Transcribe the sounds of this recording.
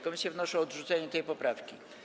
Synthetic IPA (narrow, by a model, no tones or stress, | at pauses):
kɔmʲisʲjavnɔʂɔ̃ɔd̪ʐut̪sɛɲɛt̪ɛjpɔpɾafkʲi